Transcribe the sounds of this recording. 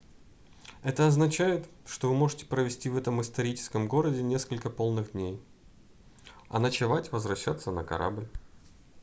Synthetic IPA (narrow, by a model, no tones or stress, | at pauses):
ɛt̪əɐznɐt͡ɕæjɪt̪ʂt̪ovɨmo̞ʐɨtʲɪ̥pɾəvʲɪsʲtʲivɛt̪əmɨst̪ɐɾʲit͡ɕɪ̥skəmɡo̞ɾədʲɪnʲe̞skəlʲkəpo̞lˠnɨɣd̪ʲnʲej | ɐ̰nət͡ɕɪvatʲvəzvɾɐɕːat̪sːənəkɐ̰ɾʔa̰blʲ